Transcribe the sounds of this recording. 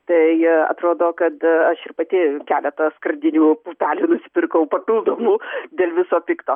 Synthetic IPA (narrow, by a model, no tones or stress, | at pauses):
t̪ɐɪɐ̰t̪ɾoːd̪oːkɐt̪ɐʃɪɾpɐt̪ʲɪkʲæːlʲɛt̪ɐskɾɐnʲd̪ʲɪnʲuːpuːpʲæːlʲuːnʊsʲɪ̥pʲɪrkɐʊpɐtɪlˠd̪oːmuːd̪ʲeːlʲʋʲɪsoːpʲɪkt̪oː